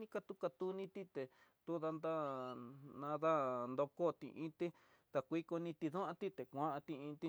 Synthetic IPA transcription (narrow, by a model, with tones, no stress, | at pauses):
ĩ˦ka˧t̪u˦ka˧t̪u˧nĩ˦t̪i˦t̪e˨ | t̪u˦ða˧nd̪a˦ | nã˧ða˦nd̪o˧ko˦˨t̪ḭ̃˧ʔĩ˦t̪i˦ | t̪a˧kʷi˦ko˧nĩ˧t̪i˧ðu˦ã˧t̪i˦t̪e˨kʷã˦ʔã˧t̪ĩ˧ĩ˧t̪i˧